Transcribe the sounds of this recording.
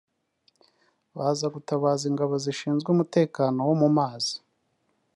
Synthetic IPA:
βaːzaɡutaβaːziŋɡaβo̞ziʃiːnzɡweumute̞ːkaːno̞womumaːzi̥

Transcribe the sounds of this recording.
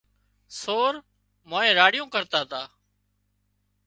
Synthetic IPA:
soːɾ | moːẽːɾaːɽɪjõːkəɾt̪aːt̪aː

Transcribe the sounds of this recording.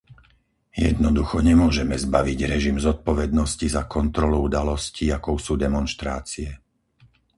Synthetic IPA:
jɛ̰d̪nɔd̪uxɔɲɛmʊɔʒɛmɛzbaʋiɟɾɛʒimzɔt̪̚pɔʋɛd̪nɔscizakɔnt̪ɾɔluud̪alɔsciakɔʊsuːd̪ɛmɔnʃt̪ɾaːt͡siɛ

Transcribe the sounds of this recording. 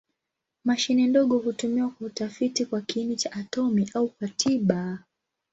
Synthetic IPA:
maʃinɛndɔɠɔhutumiwakwautafitikwakiinit͡ʃaʔːtɔmiʔaukwatʰiɓa

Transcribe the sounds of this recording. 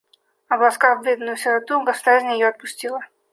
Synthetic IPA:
ɐblˠɐskaɣvbʲed̪nʊjʊsʲɪɾɐt̪uɡəsʊd̪arzʲnʲjɪjoɐt̪̚pʊsʲtʲilˠə

